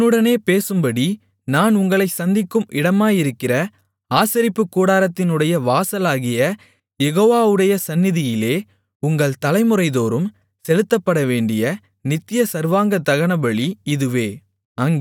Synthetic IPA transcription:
nːɯɽɐneːpeːsɯmbɐɽi | naːnʊŋɡɐɭɐɪsɐnd̪ɪkːɯmɪɽɐmaːjɪɾɯkːɪrɐ | aːsɐɾɪpːɯkːuːɽaːɾɐt̪ːɪnɯɽɐjɐʋaːsɐlaːɣɪjɐ | jɛɣoːʋaːʋɯɽɐjɐsɐnːɪðɪjɪleː | ʊŋɡɐɭt̪ɐlɐɪmɯrɐɪðoːɾɯm | sɛlɯt̪ːɐpːɐɽɐʋeːɳɖɪjɐ | nɪt̪ːɪjɐsɐɾʋaːŋɡɐt̪ːɐɣɐɳɐbɐɭiɪðɯʋeː | ɐŋɡ

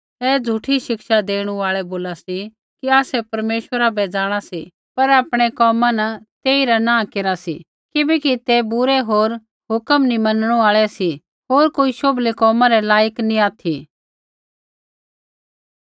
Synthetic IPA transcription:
ɛːd͡zʱuʈʰiʃɪkʃad̪eːɽ̃uaːɭɛboːlasi | kiaːsɛpɐɾmeːʃwəɾabɛd͡zaːɽ̃asi | pɐɾaːpɽ̃ɛkɔːmanɐt̪eːiɾanãːkeɾasḭ | kɪbɛkit̪ebʊɾɛɦoːɾ | ɦʊkəmnimɐnɽ̃uaːɭɛsi | ɦoːɾkoːiʃoblekɔːmãɾɛlaːjəknĩaːt̪ʰi

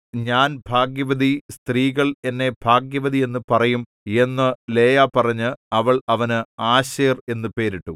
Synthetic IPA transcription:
ɲaːnbʱaːɡjɐʋɐd̪ist̪riːɣɐɭe̞nːe̞bʱaːɡjɐʋɐd̪ie̞nːɨpɐrɐjum | e̞nːɨle̞ːjapɐrɐɲːɨɐʋɐɭɐʋɐnɨaːɕeːre̞nːɨpe̞ːɾiʈːu

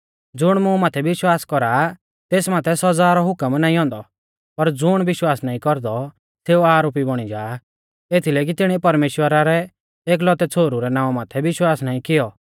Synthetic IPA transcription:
d͡zʊɽ̃mʊ̃maːt̪ʰɛʋɪʃwaːskɔɾa | t̪eːsmaːt̪ʰɛsɔd͡zaːɾɔɦʊkəmnaːĩɦɔ̃ːnd̪ɔ | pɐɾd͡zʊɽ̃ʋɪʃwaːsnaːĩkɔɾd̪ɔ | seːuaːɾoːpibɔɽ̃id͡ʒaː | eːt̪ʰilɛːk̬it̪ɪɽ̃iɛpɐɾmeːʃwəɾaɾɛ | eːk̬lɔt̪ɛt͡sʰoːɾuɾɛnãːɔ̃maːt̪ʰɛʋɪʃwaːsnaːĩkɪjɔ

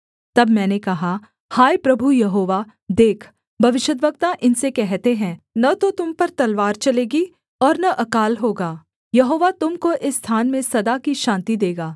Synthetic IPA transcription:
t̪ɐbmɛ̃ːnekɐɦa | haːjpɾɐbʱujɐɦoːʋa | d̪eːkʰ | bʱɐʋɪʃəd̪ʋɐk̚t̪aʔɪnsekɛɦt̪eɦɛ̃nɐt̪ot̪ʊmpɐɾt̪ɐlʋaːɾt͡ʃɐleːɡi | ɔːɾnɐʔɐkaːlɦoːɡaː | jɐɦoːʋat̪ʊmkoʔɪsːt̪ʰaːnmẽsɐd̪akiʃãːnt̪id̪eːɡaː

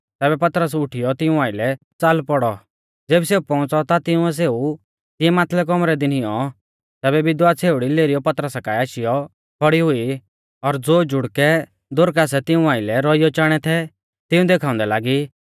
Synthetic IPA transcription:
t̪ɛːbɛpɐt̪ɾəsʊʈʰɪjɔt̪ɪũaːɪlɛ | t͡salpɔɽɔ | d͡zeːbseːupɔ̃ʊ̃t͡sɔt̪at̪ɪʊ̃ɛs̬eːu | t̪ɪjɛmaːt̪ʰlɛk̬ɔmɾɛd̪ɪnɪjɔ | t̪ɛːbɛbɪd̪waːt͡sʰeːʊɽileːɾijɔpɐt̪ɾəsakaːiaːʃɪjɔ | bʰɔɽiɦʊi | ɔɾd͡zoːd͡ʒʊɽkɛ | d̪ʊɾkaːs̬ɛt̪ɪũaːɪlɛɾɔijɔt͡ʃaːɽ̃ɛt̪ʰɛ | t̪ɪũd̪eːkʰaːʊ̃nd̪ɛlaːɡiː

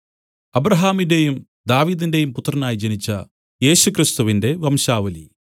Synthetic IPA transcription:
ɐbɾɐɦaːminde̞jum | d̪aːʋiːd̪inde̞jumput̪ːrɐnaːjid͡ʑe̞nit͡ɕːɐ̰ | je̞ːɕukrist̪uʋinde̞ʋɐmɕaːʋɐlḭ

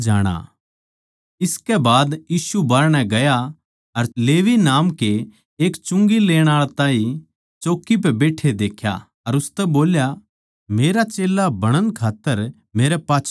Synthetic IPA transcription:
d͡ʒaːɽ̃a̰ | ɪskɛbaːd̪jiːsubaɾnɛ̃ɡɐja | ɐɾleːʋinaːmke | eːkt͡ʃʊ̃ŋɡileːɽ̃aːɭt̪ãːĩ | t͡ʃoːkːip̬ɛbeːʈʰed̪eːkʰja̰ | ɐɾʊst̪ɛboːlja | meːɾat͡ʃeːlabɐɽ̃ənkʰaːt̪ːəɾ | meːɾɛpaːt͡ʃʰ

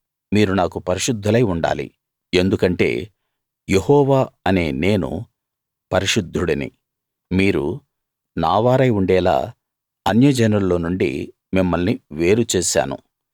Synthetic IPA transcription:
miːɾunaːkupɐɾiʃud̪ʱːɐlɐjuɳɖa̰ːlḭ | e̞nd̪ukɐɳʈe̞̰ː | jehɔːʋaːɐne̞ːne̞ːnṵ | pɐɾiʃud̪ʱːuɽɐnḭ | miːɾṵ | naːʋaːɾɐjuɳɖɛːla̰ː | ɐnjɐd͡ʒɐnɐllo̞ːnuɳɖḭ | mimːɐlniʋe̞ːɾut͡ʃeːʃa̰ːnṵ

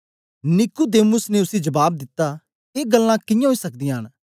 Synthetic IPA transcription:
nɪkud̪eːmʊsneʊsid͡ʒɐbaːb̚d̪ɪt̪ːa | eːɡəlːãkɪjãɦoiːsɐk̚d̪ɪjãɦən

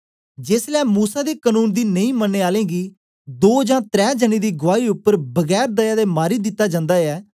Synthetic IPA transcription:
d͡ʒeːslɛːmuːsaːd̪eːkənuːnd̪iːnəĩːmənːeːaːlẽːɡiː | d̪oːd͡ʒãːt̪ɾɛːd͡ʒəniːd̪iːɡʊʋaːiːʊpːəɾbəɡɛːɾd̪əjaːd̪eːmaːɾiːd̪ɪt̪ːaːd͡ʒãːnd̪aːɛː

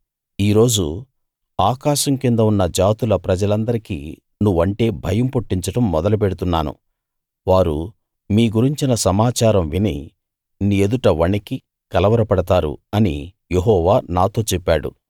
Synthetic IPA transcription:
iːɾo̞ːd͡ʒṵ | aːkaːʃɐmkind̪ɐunːɐd͡ʒaːt̪ulɐpɾɐd͡ʒɐlɐnd̪ɐɾikḭː | nuʋɐɳʈe̞ːbʱɐjɐmpuʈːiɲt͡ʃɐʈɐmːɔd̪ɐlup̬eɽut̪unːa̰ːnṵ | ʋaːɾṵ | miːɡuɾiɲt͡ʃinɐsɐmaːt͡ʃaːɾɐmʋinḭ | nied̪uʈɐʋɐɳiki | kɐlɐʋɐɾɐpɐɽɐt̪aːɾṵɐnḭ | jeɦɔːʋaːnaːt̪o̞ːt͡ʃɛpːaːɽṵ

